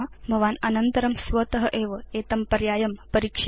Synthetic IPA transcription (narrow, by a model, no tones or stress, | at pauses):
bʱɐʋaːnɐnɐnt̪ɐɾɐmsʋɐt̪ɐɦɐʔeːʋɐeːt̪ɐmpɐɾjaːjɐmpɐɾiːkʃ